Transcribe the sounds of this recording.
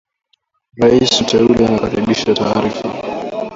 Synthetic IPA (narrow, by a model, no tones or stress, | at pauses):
ɾaisutʰɛulɛanakaɾiɓiʃataːɾifa